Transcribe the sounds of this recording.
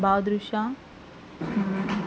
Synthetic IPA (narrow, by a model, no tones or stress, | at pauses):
baːwd̪ɾuʃa